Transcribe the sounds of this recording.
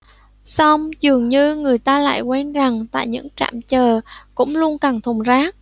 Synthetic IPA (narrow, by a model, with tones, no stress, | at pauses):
sa˧wŋ͡mzɨ˨˩əŋɲɨ˧ŋɨ˨˩əjt̪aː˧la̰ː˧˨jkwɛ˧nza˨˩ŋt̪a̰ː˧˨jɲɨ̰˧˥ŋt͡ɕa̰ː˧˨mt͡ɕəː˨˩kʊ̰˧˥ŋ͡mlu˧ənka˨˩nt̪ʰʊ˨˩ŋ͡mzaː˦˥k̚